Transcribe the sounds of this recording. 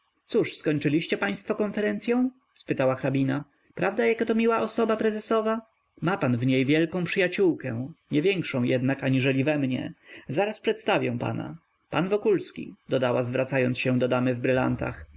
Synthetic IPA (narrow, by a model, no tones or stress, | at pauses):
t̪suʂskɔɲt͡ʂɘlʲiɕt͡ɕɛpaj̃st̪fɔkɔnfɛɾɛnt̪sʲjɔ̃w̃ | spɘt̪awaxɾabʲina | pɾavd̪ajakat̪ɔmʲiwaʔɔsɔbapɾɛzɛsɔva | mapanvɲejvʲjɛlkɔ̃w̃pʂɘjat͡ɕuwkɛɲɛvʲjɛŋkʂɔ̃w̃jɛd̪nakaɲiʐɛlʲivɛmɲɛ̰zaɾaspʂɛt̪st̪avʲjɛw̃pa̰na̰ | panvɔkulskʲḭd̪ɔd̪awazvɾat̪sajɔnsɕɛ̃d̪ɔd̪amɘvbɾɘla̰nt̪a̰x